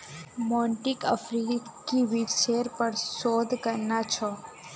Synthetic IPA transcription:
mɔɳʈikə̰fɾikiʋiʃeɾpəɳsod̪ʱkəɾnat͡ʃʰɔ

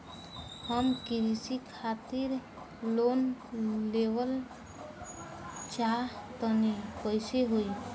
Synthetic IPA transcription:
həmkiɾisikʰat̪iɾ | lonː | ewəl | t͡ʃat̪ənipəjseɦui

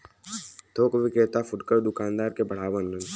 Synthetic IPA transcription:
t̪ʰoːkʋɪkeːt̪afʊʈkəɾd̪ʊkaːnd̪aːɾkebɐɽ̤aːʋənlən

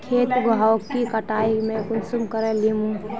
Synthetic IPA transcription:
kʰeːt̪ɡakːikəʈaimẽkʊnsumkəɾelimũ

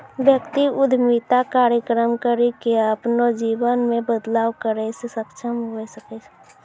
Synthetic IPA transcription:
ʋjəkt̪iʊd̪ʱmiːt̪akaːɾjəkɾəmkəɾikeapnod͡ʒiːwənmẽbəd̪laːwkəɾesesəkʃʰəmɦoesəket͡ʃ

